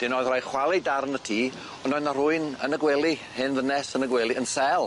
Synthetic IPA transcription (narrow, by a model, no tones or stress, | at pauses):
d̥ɪnɔːðrajχwalˠidarnətʰiː | ɔnɔnarʊɨnənəɡwɛlˠihɪnðənɛsənəɡwɛlˠiənsɛlˠ